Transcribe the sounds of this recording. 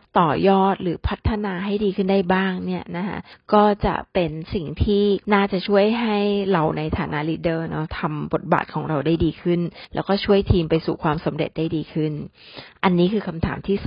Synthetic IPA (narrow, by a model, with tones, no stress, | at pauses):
t̪ɔː˨˩jɔː˥˩t̪̚ɾɯː˩˦pʰa˦˥t̪ʰːa˧naː˧ɦa˥˩jdiː˧kʰɯ˥˩nda˥˩jbaː˥˩ŋni˥˩ɐna˦˥kʰa̰˦˥ʔkɔː˥˩t͡ɕa̰˨˩pe˧nsi˨˩ŋt̪ʰiː˥˩naː˥˩t͡ɕa˨˩t͡ɕʰu˥˩əjɦa˥˩jɾa˧wna˧jt̪ʰaː˨˩˦na˦˥liː˧dɤː˥˩nɔ˦˥t̪ʰa˧mbo˨˩t̪̚ba̰ː˨˩t̪̚kʰɔː˩˦ŋɾa˧wdaː˥˩jdiː˧kʰɯ˥˩nlɛ̰ː˦˥wkɔː˥˩t͡ɕʰu˥˩əjt̪ʰiː˧mpa˧jsṵ˨˩kʰwaː˧msa˩˦mɾḛ˨˩t̪̚daː˥˩jdiː˧kʰɯ˥˩n | ʔa˧nːiː˦˥kʰɯː˧kʰa˧mt̪ʰaː˩˦mt̪ʰiː˥˩s